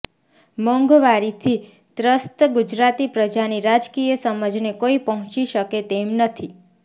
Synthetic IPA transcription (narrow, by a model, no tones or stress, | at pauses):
mɔŋɡoʋaɾit̪ʰi | t̪ɾəst̪ɡud͡ʒɾat̪ipɾəd͡ʒaniɾad͡ʒkijəsəməd͡ʒnekoipəɦɔ̃t͡ʃiʃəket̪emnət̪ʰi